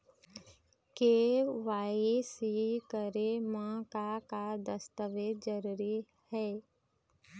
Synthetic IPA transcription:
keːʋaːisikəɾemãːkakad̪əst̪əʋeːd͡ʒəɾuɾi | hɛː

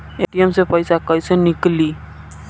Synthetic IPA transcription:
eʈijemsepəjsakəjsenikli

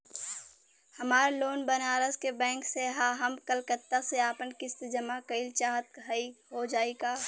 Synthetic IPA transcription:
hɐmaːɾloːnbənaːɾəzkebɛ̃ːkseɦaːɦəmkəlkət̪ːaseaːpənkɪst̪d͡ʒəmakəɪlt͡ʃaːɦət̪̚əiɦod͡ʒaːiɡaː

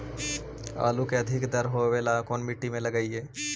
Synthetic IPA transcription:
a̰ːlukeɐd̪ʱɪkd̪əɾɦoʋeːlakoːnmiʈːimẽlɐɡaːieː

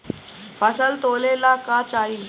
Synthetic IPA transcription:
pasəlt̪olelakat͡ʃai

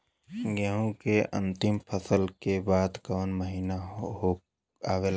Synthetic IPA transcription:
ɡaɦõkeʔɐ̰̃nt̪ɪmpʰəsəlkebaːd̪kɐʋənməɦiːnaɦo | aːʋel

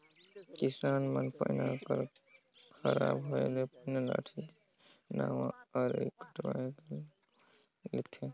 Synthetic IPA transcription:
kisaːnmənpəjnakəɾ | kʰəɾa̰bɦoelepənala̰ʈʰi | nawãəɾekəʈwãke | let̪ʰe

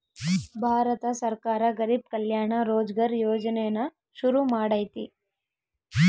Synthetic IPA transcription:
bʱaːɾɐt̪ɐsɐɾkaːɾɐɡɐɾib̚kɐljaːɳɐɾoːd͡ʒɡaɾjoːd͡ʒɐnɛjɐnɐ | ʃuɾumaːɽɐːjt̪i

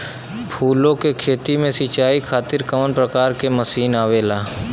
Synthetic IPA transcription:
pʰuːlõkekʰeːt̪imẽsit͡ʃaːikʰaːt̪ɪɾkəmənpɾəkaːɾkeməsiːnaːʋeːlaː

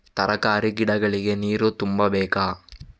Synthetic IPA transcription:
t̪ɐɾʔɐkaːɾiɡiɽɐɡɐɭiɡeniːɾut̪umbɐbɛːkaː

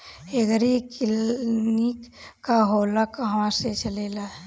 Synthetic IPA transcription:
eɡəɾikɪlnikːaɦoːlakaɦmãset͡ʃəleːla

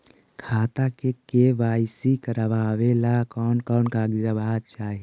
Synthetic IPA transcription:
kʰaːt̪akekeʋaːɪsikəɾəʋaːʋelakɔːnkɔːnkaːɡiɾəbaːt͡ʃaːɦi

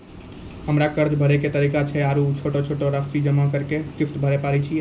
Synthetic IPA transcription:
ɦəmɾakəɾd͡ʒbʱəɾɛket̪əɾikat͡ʃʰɛaɾut͡ʃʰoʈot͡ʃʰoʈoɾəsid͡ʒəmakəɾkesʈifʈbʱəɾɛpaɾɛt͡ʃʰi

